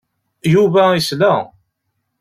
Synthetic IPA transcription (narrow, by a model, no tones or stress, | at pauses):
juvæislæ